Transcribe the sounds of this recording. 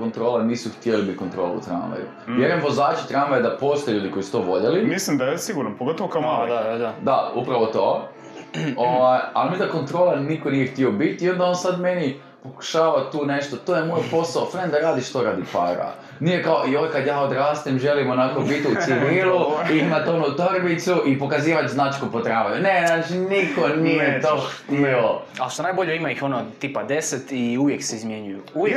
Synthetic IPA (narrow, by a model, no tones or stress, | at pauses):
kont̪ɾolaniːsuxt̪jelibit̪̚ʲko̞nt̪ɾoːlˠṵṵt̪ɾa̰nʋa̰jṵ | jeɾoemʋo̞zaːt͡ʃe̥t̪ɾaːnʋajed̪apoːst̪ojʎuːd̪iko̞isu̥t̪oːʋo̞ʎelimislimd̪ajesiɡuɾnopoɡot̪oʋokaoad̪aṵpɾaʋo̞t̪oː | oʋaja̰lmid̪ako̞nt̪ɾo̞ːlˠanikonijext̪iobit̪iːo̞nd̪ao̞ːnsad̪me̞ni | po̞ku̥ʃaːʋat̪uːne̞ʃt̪ot̪ojemojpo̞saofɾend̪aɾaːd̪iʃt̪o̞ɾaːd̪ipa̰ːɾa̰ | nijekaoioʋekad̪jaːod̪ɾaːst̪imʒelimonakobit̪iusiʋiːluiimat̪o̞nut̪oɾbit̪suʔipo̞kaziːʋat͡ʃ̪znat͡ʃi̥kupot̪ɾaːʋajunenaːt͡ʃinikonijet̪oːxt̪ioaʃt̪onaːjboʎeimaixonot̪iːpad̪eset̪iuʋjekseizmjeɲujuu